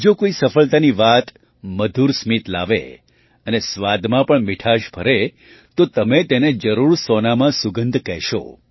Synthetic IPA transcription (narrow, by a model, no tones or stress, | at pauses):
d͡ʒokoisəfəɭt̪aniʋat̪ | məd̪ʱuɾsmit̪la̰ʋḛ | ənesʋad̪mãpəɳmɪʈʰaʃbʱəɾe | t̪ot̪əmet̪ened͡ʒəɾuɾsɔnamãsʊɡənd̪ʱkɛɦʃo̰